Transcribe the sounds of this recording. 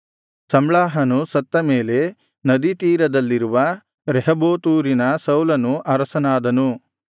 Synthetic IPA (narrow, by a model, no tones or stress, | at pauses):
sɐmɭaːɦɐnusɐt̪ːɐmeːle̞ | nɐd̪it̪iːɾɐd̪ɐlːiɾuʋɐ | ɾɛɦɐboːt̪uːɾinɐsɐwlɐnuʔɐɾɐsɐnaːd̪ɐnu